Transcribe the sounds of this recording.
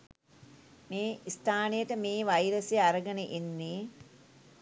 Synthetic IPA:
meːist̪ʰaːnejəʈəmeːʋajɾəsjeaɾəɡənəʔinːiː

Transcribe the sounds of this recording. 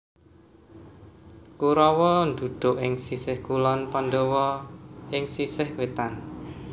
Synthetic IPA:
kuɾɔwɔnd̪ud̪̥ʊ̤ʔɪŋsisɪhkulɔnpand̪ɔwɔʔɪŋsisɪhwet̪an

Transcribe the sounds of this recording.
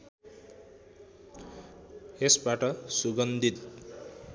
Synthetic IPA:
esbaʈʌsuɡʌnd̪ʱit̪̚

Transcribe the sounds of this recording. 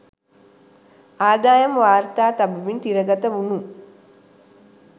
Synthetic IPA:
aːd̪aːjɐmʋaːɾt̪aːt̪abuʋint̪iɾəɡat̪əʋunu

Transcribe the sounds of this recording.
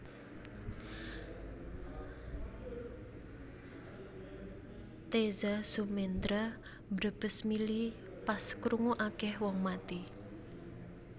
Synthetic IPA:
t̪ezasumend̪ɾa | mbɾəb̥əsmili | paskɾuŋuʔakɛhwɔŋmat̪i

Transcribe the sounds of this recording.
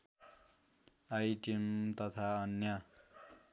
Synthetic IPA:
ajʈimt̪ʌt̪ʰaʌnjʌ

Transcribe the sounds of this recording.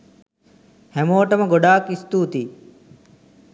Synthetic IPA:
hemoːʈɐmɐɡoɖaːkist̪uːt̪i

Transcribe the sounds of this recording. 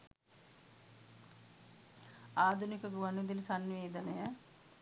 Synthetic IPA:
aːd̪ʱunikəɡuʋanud̪ilsanːʋeːd̪ənəjə

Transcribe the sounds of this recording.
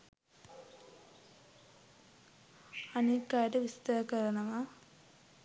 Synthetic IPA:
ɐnikːaːɾeʋist̪ɐkɐɾɐɳɐma

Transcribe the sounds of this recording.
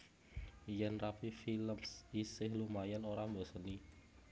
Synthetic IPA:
jɛnrapifiləmsisɪhlumajanoɾambɔsəni

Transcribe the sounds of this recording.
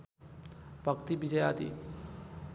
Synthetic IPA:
bʱəkt̪ibid͡ʑəja̰t̪ḭ

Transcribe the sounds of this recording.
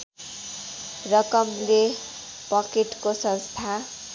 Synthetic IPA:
rʌkʌmle | pʌkeʈkosʌ̃nst̪ʰa

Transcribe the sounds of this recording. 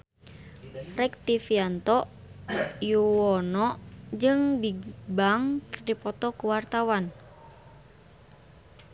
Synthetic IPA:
rɛk̚t̪ifiant̪ɔ | juwɔnɔʔd͡ʒɨŋbibaŋkdipɔt̪ɔkuwart̪awan

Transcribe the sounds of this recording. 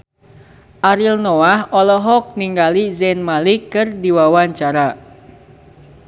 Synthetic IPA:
ʔaɾilnoahɔlɔɦɔk̚niŋɡalizɛnmalikːɨrdiwawaɲt͡ʃaɾa

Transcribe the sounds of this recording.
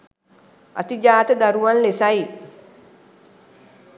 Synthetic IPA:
ʔɐ̰t̪id͡ʒaːt̪əd̪aɾuwanlesaj

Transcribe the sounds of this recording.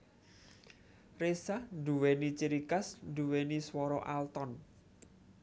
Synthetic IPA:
resahɖuwenit͡ʃiɾikasd̪uweniswɔɾɔʔalt̪ɔn

